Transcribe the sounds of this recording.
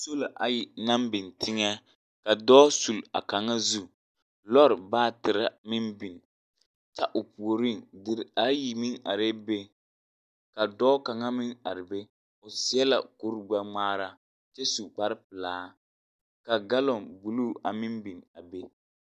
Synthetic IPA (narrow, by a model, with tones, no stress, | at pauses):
so˦lo˨ʔa˨jɪ˨na˦mbɪ˨ntʰɪ˦ŋɛ˦ | ka˨dɔː˦su˨la̰˨ka˨ŋa˦zu˦ | lɔ˦ɾbaː˦tɪ˨ɾa˦mɪ˦nbi˨n | ta˦ʔʊ˨pu˨o˨ɾi˦˨ndɪ˨ɾa˦ji˨mɪ˦ŋa̰˨ɾe˦be˦ | ka˨dɔː˦ka˨ŋa˦mɪ˦ŋa˨ɾɪ˨be˦ | ʊ˨si˦ɛ˦la̰˨ku˦ɾɡ͡ba˦ŋ͡maː˦ɾa˦ | t͡ʃe˦su˨k͡pa˦ɾɪ˦pɪ˨laː˨˦ | ka˨ɡa˦lɔ˨ŋbu˨luː˦a˨mɪ˦mbi˨na˨be˦